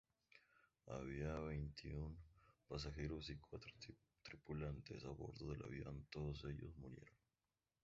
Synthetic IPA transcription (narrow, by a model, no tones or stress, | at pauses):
a̰βiaβejnt̪ʰiunpas̬axe̞ɾosikwat̪ɾo | t̪ɾipulant̪e̞saβo̞̰ɾðo̞ðe̞lʔa̰βjo̰nt̪o̞ðose̞ʎo̰zmuɾje̞̰ɾon